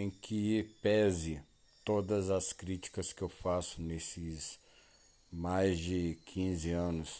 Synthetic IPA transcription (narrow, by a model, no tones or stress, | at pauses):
ẽkʰɪpɛzɪ | t̪od̪ɐzɐskɾit͡ʃi̥kɐskɪewfasʊnesɪs | majzd͡ʒɪkʰĩzɪɐ̃nʊs